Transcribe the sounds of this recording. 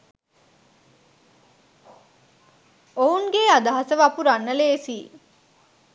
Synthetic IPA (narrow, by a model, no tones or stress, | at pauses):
ouŋɡead̪aɦasəʋapuɾanːəleːsiː